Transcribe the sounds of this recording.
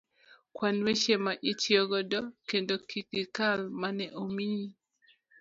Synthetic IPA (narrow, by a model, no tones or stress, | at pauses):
kwanweʃemaʔit͡ʃjoɡɔdɔkendokikɪkalmanɛʔomii